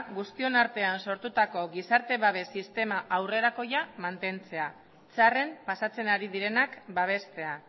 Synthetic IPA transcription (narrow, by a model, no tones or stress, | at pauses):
ɣust̪io̞naɾt̪e̞anso̞ɾt̪ut̪ako̞ɣisaɾt̪e̞βaβ̞e̞sist̪e̞maʔawre̞ɾako̞jamant̪e̞nt͡se̞a | t͡sare̞mpasat͡se̞naɾið̞iɾe̞nakbaβ̞e̞st̪e̞a